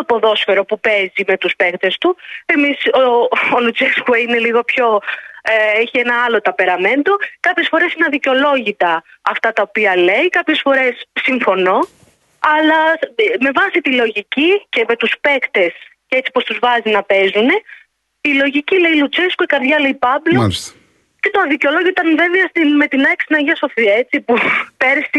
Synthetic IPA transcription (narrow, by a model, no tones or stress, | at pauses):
opo̞ðo̞sfeɾo̞pupe̞zime̞t̪uspe̞kt̪e̞st̪ue̞misoolut͡seskueine̞liɣo̞pço̞ | eçienɐɐlo̞t̪ɐpe̞ɾɐme̞nd̪o̞kɐpçe̞sfo̞ɾe̞sinɐðiceo̞lo̞ʝit̪ɐ | ɐft̪ɐt̪ɐopiɐleikɐpçe̞sfo̞ɾe̞ssiɱfo̞no̞ | ɐlɐme̞vɐsit̪ilo̞ʝicice̞me̞t̪uspe̞kt̪e̞scet͡si̥po̞st̪uzvɐzinɐpe̞zune̞ | ilo̞ʝicile̞ilut͡seskoikɐɾðʝɐle̞jpɐblos | ce̞t̪oɐðiceo̞lo̞ʝit̪ɐnve̞veɐst̪inme̞t̪inɐksinɐʝɐso̞fie̞t͡sipupe̞ɾsi